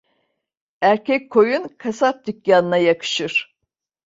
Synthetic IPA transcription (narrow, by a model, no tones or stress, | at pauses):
æɾcʰɛc̚ʲkʰːo̞junkʰasap̚d̪ɯkjanɯnajakʰɯ̥ʃɯɾ̥